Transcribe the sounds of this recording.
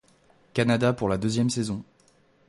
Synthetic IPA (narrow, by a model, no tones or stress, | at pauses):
kanad̪apuʁlad̪øzjɛmsezɔ̃